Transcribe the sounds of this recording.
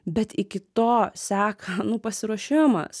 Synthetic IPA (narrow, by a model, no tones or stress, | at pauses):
bʲɛt̪ɪkʲɪt̪oːsʲæːkʰɐnʊpɐsʲɪɾuɔʃʲɪmɐ̰s